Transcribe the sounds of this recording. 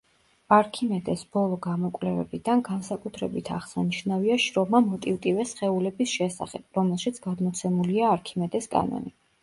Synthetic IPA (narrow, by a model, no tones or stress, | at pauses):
aɾkʰimɛd̪ɛsb̥ɔlˠɔɡamɔkʼvlɛvɛ̰bid̪anɡansakʼut̪ʰɾɛbit̪ʰaʁsaniʃnaviaʃɾɔmamɔt̪ʼivt̪ʼivɛsχɛulɛbisʃɛsa̰χɛb̥̚ɾɔmɛlˠʃit̪sʰɡ̥ad̪mɔt̪sʰɛmuliaːɾkʰimɛd̪ɛskʼa̰nɔ̰ni